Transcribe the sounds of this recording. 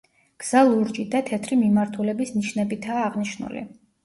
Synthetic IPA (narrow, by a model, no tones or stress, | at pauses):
ɡ̥z̥alˠuɾd͡ʒid̪at̪ʰɛt̪ʰɾimimaɾt̪ʰulɛbisniʃnɛbit̪ʰaːʁniʃnṵlḭ